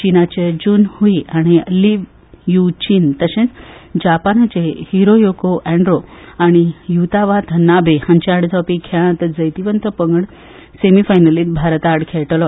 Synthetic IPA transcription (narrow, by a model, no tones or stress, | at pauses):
t͡ɕinat͡ɕed͡ʑuːnhuiʔaɽ̃iliʋ | jut͡ɕiːnt̪əɕẽnd͡ʑapanat͡ɕehiɾojokoʔɛ̃ɳɖɾoaɽ̃ijut̪aʋat̪ʰnabehãɲt͡ɕaɽd͡zɔpikʰãt̪d͡zəjt̪iʋənt̪əpəŋɡəɽ | semifajnəliːt̪̚bʱaɾt̪aɽkʰeɭʈlɔ